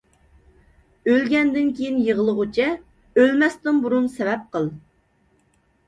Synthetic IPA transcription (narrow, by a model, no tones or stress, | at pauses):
ølɡʲɛnd̪ɪnkʲʰejinjəʁəlˠəʁʊt͡ʃʰɛ | ølmɛst̪ɨnbuɾunsɛvɛp̚qəlˠ